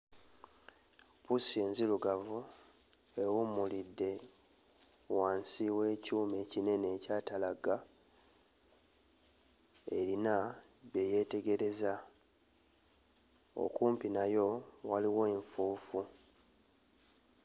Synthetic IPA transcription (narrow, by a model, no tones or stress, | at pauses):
pusie̞ːnziluɡavu | ewumulidːe̞ | waːnsiwe̞ːcuːme̞ːcine̞neːcaːtalaɡa | e̞̰ɾina | βe̞je̞te̞ɡe̞ɾe̞za | o̰kuːmpinajo̞waliwo̞eɱfuːfu